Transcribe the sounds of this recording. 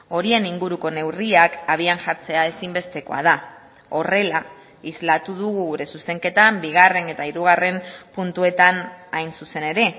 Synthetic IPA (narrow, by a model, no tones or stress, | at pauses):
o̞ɾie̞niŋɡuɾuko̞ne̞wriakaβ̞ianʝaɾt͡se̞ae̞simbe̞st̪e̞ko̞̰a̰ð̞a | o̞re̞la | izlat̪uðuɣ̞uɣuɾe̞suse̞ŋke̞t̪ambiɣ̞are̞ne̞t̪aiɾuɣ̞are̞mpunt̪ue̞t̪anajnsuse̞ne̞ɾe̞